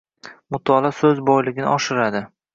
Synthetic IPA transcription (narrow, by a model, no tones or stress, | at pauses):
mʊt̪ʰɒlˠasɵzbɒjlɪɡʲɪnɪ̰ʔɒʃɪɾad̪ɪ